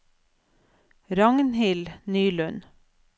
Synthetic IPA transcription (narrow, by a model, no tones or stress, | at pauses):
ɾɑŋnhɪlnyːlʉn